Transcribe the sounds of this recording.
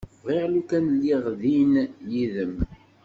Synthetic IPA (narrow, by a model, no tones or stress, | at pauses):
ʁiʁlukænlːiʁðinjiðəm